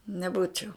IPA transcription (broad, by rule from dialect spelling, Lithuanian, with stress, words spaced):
nʲɛˈbuːt͡ʃʲɛʊ